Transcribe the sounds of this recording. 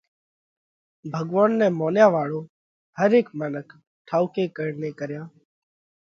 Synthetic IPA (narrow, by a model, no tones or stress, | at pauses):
bʱəɠʋaːnːɛ̃ːmoːnjaːʋaːɭoː | həɾeːkmənək | ʈʰaːʊkeːkəɽneːkəɾjaː